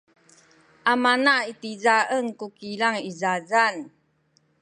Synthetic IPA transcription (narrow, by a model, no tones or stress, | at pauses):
ʔamanaitizaʔənkukilaŋizazan